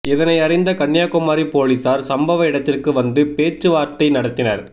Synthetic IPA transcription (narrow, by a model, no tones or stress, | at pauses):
ɛðɐnɐɪɐrɪnd̪ɐkɐɳːjaːkʊmaːɾipoːlisaːɾsɐmbɐʋɐɪɽɐt̪ːɪrkɯʋɐnd̪ɯpeːt͡ʃːɯʋaːɾt̪ɐɪnɐɽɐt̪ːɪnɐɾ